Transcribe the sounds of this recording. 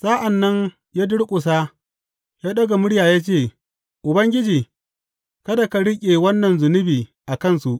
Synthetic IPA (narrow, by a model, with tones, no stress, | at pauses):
sa˦ʔa˨nːɐ˦ɲ | jaː˦dʊ˦ɽkʷʼʊ˨s̬a˦ | jaː˦ɗɐ˦ɡa˨mʊ˦ɽjaː˨jaː˦t͡ʃeː˦˨ | ʔʊ˨bɐ˦ŋɡʲɪ˦d͡ʒiː˨ | kɐ˦da˨ka˨ɽɪ˦kʲʼe˨wɐ˦nːɐ˨nzʊ˨nʊ˦biː˨ʔa˨kɐ˦˨nsu˨ʔ